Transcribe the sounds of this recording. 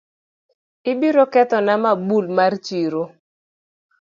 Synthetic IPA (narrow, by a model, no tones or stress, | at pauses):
ɪbiɾokɛt̪ɔnamabulmart͡ʃiɾo